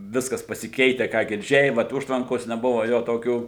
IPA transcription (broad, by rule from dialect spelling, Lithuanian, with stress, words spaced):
ˈʋʲɪskɐs pɐsʲɪˈkʲɛɪtʲɛ ˈkɑː ɡʲɪrʲˈd͡ʒʲɛɪ ˈʋɐt ˈʊʃtʋɐŋkoːs nʲɛˈbʊʋɐ ˈjoː toːˈkʲuː